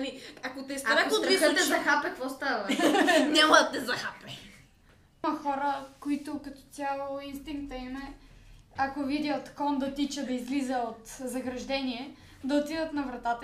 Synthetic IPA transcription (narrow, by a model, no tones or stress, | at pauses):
ɐmiakot̪ɛst̪aɾakoɾit̪ɛzɐxapɛkvɔst̪avɐnʲamɐd̪ɐt̪ɛzɐxapɛ | mɐxɔɾəkoit̪ʊkɐt̪ɔ̥t̪sʲjalˠoinst̪iŋk̚t̪ɐimɛ | akovid̪ʲjət̪kɔnd̪ɐt̪it͡ʃəd̪ɐizlizəot̪zɐɡɾɐʒd̪ɛniɛ | d̪ɐot̪id̪ət̪nɐvɾɐt̪at̪